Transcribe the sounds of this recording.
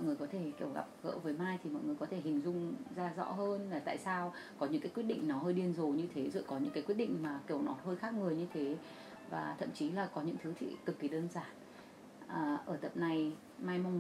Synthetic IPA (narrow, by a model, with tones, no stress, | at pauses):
jŋɨ˨˩əjkɔ˨˦t̪ʰe˧˩ki˧˩əwɣa̰˨˩p̚ɣə̰ː˧˥vəː˨˦jmaː˧jt̪ʰi˨˩mɔ̰˧˨jŋɨ˨˩əkɔ˨˦t̪ʰe˧˩hï˨˩ŋ̟zʊ˧ŋ͡mzaː˧zɔ̰˧˥ɦəː˧nlaː˨˩t̪a̰ː˧˨jsaː˧w | kɔ˨˦ɲɨ̰˧ŋkaː˨˦kwt̚ɗḭ˧˨ŋ̟nɔ˨˦həː˧jɗi˧˩ənzo˨˩ɲɨ˧t̪ʰe˨˦zə̰˧˨jkɔ˨˦ɲɨ̰˧˥ŋkaː˨˦jkwi˦˥tɗḭ˧˨ŋ̟maː˨˩ki˧˩əwnɔ˨˦ɦəː˧jxaː˦˥k̚mɨ˨˩əjɲɨ˧t̪ʰe˨˦ | vaː˨˩t̪ʰə̰˧˨mt͡ɕi˨˦laː˨˩kɔ˨˦ɲɨ̰˧˥ŋt̪ʰɨ˨˦t̪ʰḭ˧˨t̪ɨ˨˩kːi˨˩ɗəː˧nzaː˨˩n | ʔəː˨˩ʔəː˧˩t̪ə̰˧˨m̚na˧˩j | maː˧jma˧wŋ͡m